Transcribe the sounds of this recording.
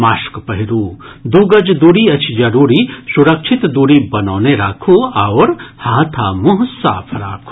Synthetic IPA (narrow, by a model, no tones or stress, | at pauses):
maːʃkpɐɦɪɾuːd̪uːɡɐd͡ʒd̪uːɽiɐt͡ʃʰd͡ʒɐɾuːɾisuɾɐkʃʰɪt̪d̪uːɽibɐnaːneɾaːkʰuɐʋːɾhaːt̪ʰaːmʊɦsa̰ːpʰɾa̰ːkʰu